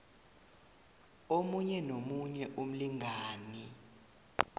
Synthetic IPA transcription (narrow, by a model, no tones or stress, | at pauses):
omuɲɛnomuɲɛʔum̩liŋʱaːni